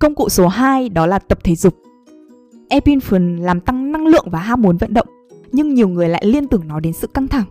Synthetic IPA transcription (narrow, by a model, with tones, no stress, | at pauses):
kə˧wŋ͡mkṵ˧˨so˨˦ɦaː˧jɗɔ˨˦laː˨˩t̪ə˨˩p̚t̪ʰe˨˦zʊ˨˩k͡p̚ | ʔɛ˧pi˧nfə˨˦nlaː˨˩mt̪a˧ŋna˧ŋlɨ̰˧˨əŋvaː˨˩ɦaː˧mu˨˦nvə̰˧˨nɗə̰˧˨wŋ͡m | ɲɨ˧ŋɲi˨˩əwŋɨ˨˩əjla̰ː˧˨jli˧ənt̪ɨ˨˩əŋnɔ˨˦jɗe˨˦nsɨ̰˧˨ka˧ŋt̪ʰa˧˩ŋ